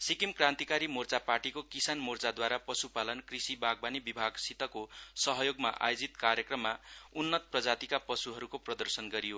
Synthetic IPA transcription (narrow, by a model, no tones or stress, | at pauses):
sikimkrãnt̪ikaɾimort͡saparʈikokisanmort͡sad̪waɾapʌsupalʌnkrisibaɡ̚banibibʱaɡsit̪ʌkosʌɦʌjoɡma̰ʔa̰jod͡zit̪karjʌkrʌmːaunːʌt̪prʌd͡zat̪ikapʌsuɦʌɾukoprʌd̪ʌrsʌnɡʌɾijo